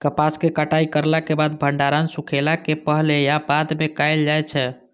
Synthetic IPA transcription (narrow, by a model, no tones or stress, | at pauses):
kəpaskekaʈaikəɾlakebad̪̚bʱəɳɖaɾansukʰelakepəɦlejabad̪mekajld͡ʒajt͡ʃʰɛ